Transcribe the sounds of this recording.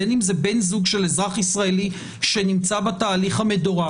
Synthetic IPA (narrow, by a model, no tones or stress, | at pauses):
enimzebe̞nzuɡʃe̞lezʁaχisʁaeli | ʃe̞nimt͡sabataːliχhame̞doʁa